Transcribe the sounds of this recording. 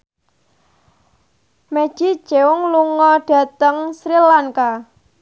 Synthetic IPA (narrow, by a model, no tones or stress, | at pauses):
mɛ̥ʒ̥i̥ʒ̥ewʊŋluŋɔɖ̥a̤t̪əŋsɾilaŋka